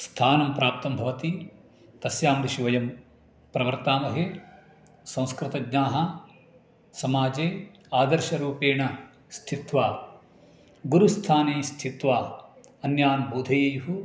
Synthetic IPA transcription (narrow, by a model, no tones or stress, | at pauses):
st̪ʰaːnɐmpɾaːp̚t̪ɐmbʱɐʋɐt̪i | t̪ɐsjaːmɾiʃiʋɐjɐm | pɾɐʋɐɾt̪aːmɐɦe | sɐ̃w̃skɾɪt̪ɐɡnaːɦɐ | sɐmaːd͡ʒeː | aːd̪ɐɾʃɐɾuːpeːɳɐ | st̪ʰit̪ʋaː | ɡuɾust̪ʰaːneːst̪ʰit̪ʋaː | ɐnjaːnbʱuːd̪ʱɐjejuɦu